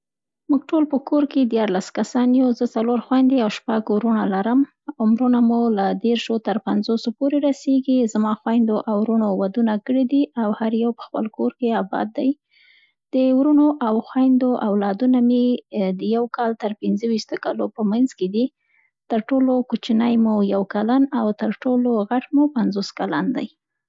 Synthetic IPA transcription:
muɡ̚ʈolpəkoɾked̪jɑɾlaskasɑnjuzət͡saloɾxwajnd̪eawʃpaɡwɾunalaɾəm | ʊmɾunamulad̪eɾʃot̪əɾpanzosopoɾeɾaseɡizamɑxwajnd̪oʔawɾunowad̪unakəɽid̪iʔawhaɾjawpə̥xpəlkoɾkeabɑ̰d̪ːaj | d̪̥əwɾunoʔawxwajnd̪oʔawlɑd̪unamed̪əjawkɑlt̪əɾpɪnzəwiʃt̪okalopəmanzked̪i | t̪əɾʈolokut͡ʃinajmujawkalanawt̪əɾʈoloɣaʈmupanzoskaland̪a̰j

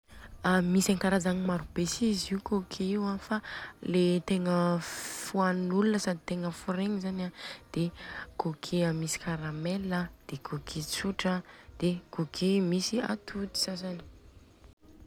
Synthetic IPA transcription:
amisaŋkaɾazaŋimaɾubesiziukokʰeiwafalet̪eŋəfuannulunəsad̪it̪eŋəfuɾeŋizanad̪̥ekʰokʰeəmisi̥kaɾameləd̪̥ekʰokʰet͡suʈ͡ʂəd̪̥ekokʰemisia̰t̪ʰut̪i̥sazani̥

